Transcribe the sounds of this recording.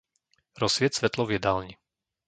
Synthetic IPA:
ɾɔsʋɪɛt̪sʋɛt̪lɔvjɛd̪alɲi

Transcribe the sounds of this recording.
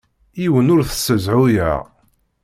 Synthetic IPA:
iwənʊɾθə̥sːəzʕʊjæ̰ʁ

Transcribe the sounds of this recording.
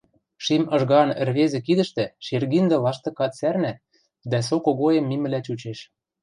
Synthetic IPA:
ʃimɤ̆ʒɣɑnɘ̆rβezĕkid̪ɘ̆ʃt̪ɘ̆ʃerɣind̪ɤ̆lɑʃt̪ɤ̆kɑt̪særnæt̪ | d̪æs̬okoɣojĕmːimɘ̆læt͡ɕut͡ɕeʃ

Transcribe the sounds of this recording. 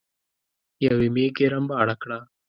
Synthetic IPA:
jɐʋimeːɡeɾɐmbaːɽɐkɽaː

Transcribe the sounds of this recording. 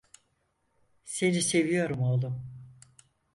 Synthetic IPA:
senise̞vijo̞ɾumolˠum

